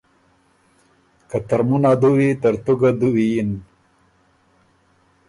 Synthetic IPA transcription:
kɐt̪ɐɾmunad̪uwit̪ɐɾt̪uɡad̪uwijin

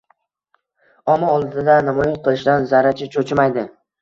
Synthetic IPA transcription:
ɒmaɒlˠd̪ɪd̪anamɒjɪnqʰɨlˠɪʃd̪anzaɾat͡ʃʰɪt͡ʃʰot͡ʃʰɪmajd̪ɪ

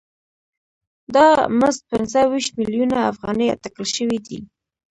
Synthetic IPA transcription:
d̪ɑməzt̪̚pɪnzəwiʃt̪miljunaafɣɑnəjt̪akəlʃəwid̪i

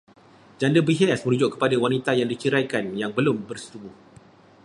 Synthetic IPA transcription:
d͡ʒandəbiɦɛasmə̃nud͡ʒʊʔkːə̥padawanit̪ajaŋdit͡ʃiɾajkanjaŋbəlʊmbərsə̥t̪ubuh

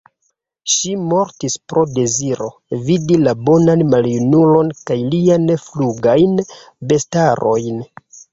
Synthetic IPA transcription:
ʃimo̞ɾtispɾo̞de̞ziɾo̞ | vidilabo̞nanmaljunulo̞nkajlianfluɡajn | be̞staɾo̞jn

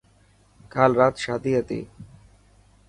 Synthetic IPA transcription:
kalɾat̪ʃad̪iat̪ḛ

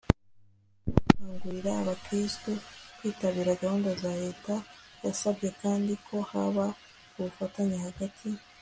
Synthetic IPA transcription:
aːŋɡuɾiɾaːβakɾistukiːtaβiːɾaɡahuːndazaɾe̞ːtajasabɟe̞kaːndikʰo̞haβa | uβufataɲehaɡatʰi

